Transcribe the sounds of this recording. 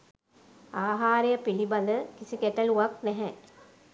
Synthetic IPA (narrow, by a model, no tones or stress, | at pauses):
aːɦaːɾejəpiliband̪əkisikɛʈɐluʋak̚nɛɦɛ